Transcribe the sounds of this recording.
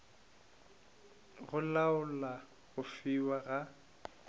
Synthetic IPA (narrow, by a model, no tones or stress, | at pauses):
ɣʊlaʊla | ɣʊfiwaɣa